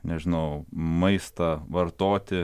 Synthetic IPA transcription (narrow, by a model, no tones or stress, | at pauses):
nʲɛʒʲɪnɐʊmɐɪst̪ɐʋɐɾt̪oːt̪ʲɪ